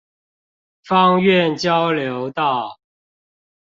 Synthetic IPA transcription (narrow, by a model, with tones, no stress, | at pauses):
fɑ˦ŋɥɛ˥˨nt͡ɕjɑ˦ʊljo˨˦ʊt̪ɑ˥˨ʊ